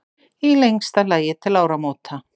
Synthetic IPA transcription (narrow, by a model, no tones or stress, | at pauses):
ilejŋkst̪alaːjɪt̪ʰɪlaːwɾamoːt̪ʰa